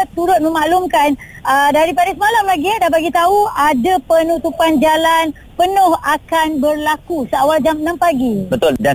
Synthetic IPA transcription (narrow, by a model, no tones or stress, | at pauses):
t̪uɾʊt̪̚mə̃maʔlumkan | ədaɾip̬adasəmalamlaɡiadabaɡit̪auadapənut̪upand͡ʒalan | pənʊ̃hakanbərlakusəawald͡ʒamənãmpaɡibət̪ʊlda